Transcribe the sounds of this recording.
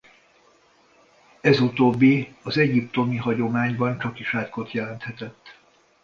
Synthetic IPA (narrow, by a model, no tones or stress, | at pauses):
ɛzut̪oːbːiɒzɛɟipt̪o̞miɦɒɟo̞maːɲbɒnt͡ʃɒkiʃaːt̪ko̞t̪jɛlɛnt̪hɛt̪ɛt̪ː